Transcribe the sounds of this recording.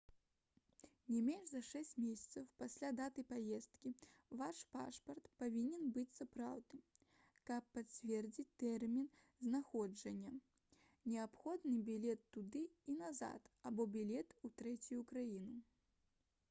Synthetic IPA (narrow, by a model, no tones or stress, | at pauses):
nʲɛmʲɛnʐzɐʂɛsʲt͡sʲmʲesʲɐ̥t̪sɐwpasʲlʲad̪at̪ɐjpajɛst̪kʲivaʂpa̰ʂpɐrt̪pavʲinʲɛnbɨt͡sʲsapɾawd̪̚nɨ | kɐpːat͡sʲvʲɛrd͡zʲit͡sʲt̪ɛrmʲin | znaxɔd͡ʐɐnʲːɐ | nʲɛapxɔd̪nɨbʲilʲɛt̪ːud̪ɨinaza̰t̪abɔbʲilʲɛt̪ut̪ɾɛt͡sʲujukɾajinu